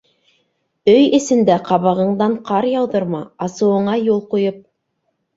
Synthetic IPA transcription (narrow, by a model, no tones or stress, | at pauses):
ɵjɘ̆sɘ̆nd̪æqɑβɑʁɤ̆ɴd̪ɑɴqʰɑɾjɑwðɤɾmɑɑsɤ̆wɤ̆ɴɑjulˠqujɤp̚